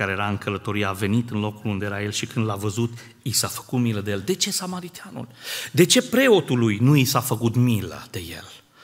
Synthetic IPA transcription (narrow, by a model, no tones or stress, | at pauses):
aɾejeɾaɨŋkələt̪o̞ɾiave̞nit̪ɨnlo̞kulund̪e̞jeɾaje̞lʃikɨnd̪lavəzut̪ | isafə̥kut̪miləd̪eje̞ld̪e̞t͡ʃe̞samaɾit̪eanṵld̪e̞t͡ʃe̞pɾe̞o̞t̪ulujnuisafəkut̪milə̰d̪̥e̞jḛl